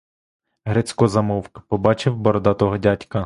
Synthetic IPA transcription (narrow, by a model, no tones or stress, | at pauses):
ɦɾet͡sʲkɔzɐmɔwkɐ̥pɔbɑt͡ʃɪwbɔɾɔd̪ɑt̪ɔɦɔdʲatʲkɐ